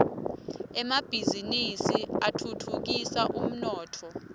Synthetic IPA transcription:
ɛmab̥ʱizinisiatʰutʰuk̬isaʔum̩nɔːtʰɔ

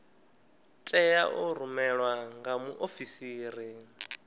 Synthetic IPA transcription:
tʼɛjaʔɔɾumɛɺwaŋɡamuʔofisiːɾi

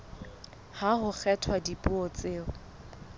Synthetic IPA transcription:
haɦʊk͡xʰɛtʰwadipʼuɔt͡sʼeːʊ

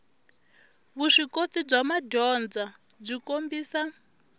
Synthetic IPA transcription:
βuʂikot̪ib͡ʐamadɔnd͡za | b͡ʐʷikombiːsa

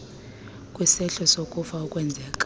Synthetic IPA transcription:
kʼwisɛɬɔsokʼufaukʼwɛnd͡zʱɛkʼ

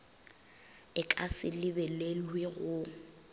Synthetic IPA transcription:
ɪkʼasɪlɪbɛlelweɣʊ

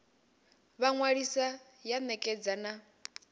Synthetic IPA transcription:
βaŋwaɺisa | janɛkʼɛd͡zana

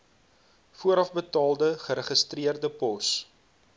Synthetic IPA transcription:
fuəɾɐfbətɑːlˠdəχəɾəχəstriərdəpɔs

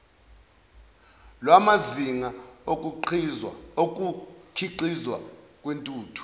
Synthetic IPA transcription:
lwamaziŋaok̬ʼu | ok̬ʼukʰiǃizwa̰kʼwentʼuːtʰu̥

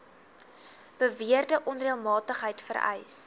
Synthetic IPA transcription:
b̥əviərdəʔɔnriəlˠmɑːtəχɦəjtfə̰ɾɛ̰js

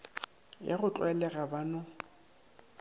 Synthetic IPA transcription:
jaɣʊt͡ɬʼwɛlɛɣabanɔ

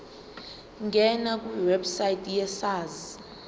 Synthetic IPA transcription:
ŋɡʱɛnak̬ʼwiwɛbsajitʼʰjɛsaːzi

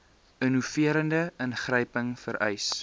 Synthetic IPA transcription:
ənufiəɾəndəənχrəjpəŋfəɾɛjs

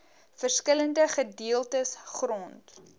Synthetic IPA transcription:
fərskələndəχədiəlˠtəsχrɔnt

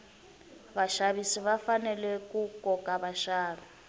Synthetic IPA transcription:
βaʃaβisiβafanɛlɛkʼukʼɔkʼaβaʃaːβi

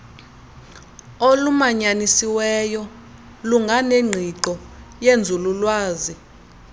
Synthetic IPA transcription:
olumaɲanisiwɛjɔ | luŋɡʱaneŋ͡ǃʱiǃɔjend͡zʱululwaːzi

